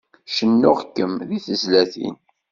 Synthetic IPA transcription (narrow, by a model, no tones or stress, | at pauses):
ʃənːʊʁkːəmðiθəzlæθḭn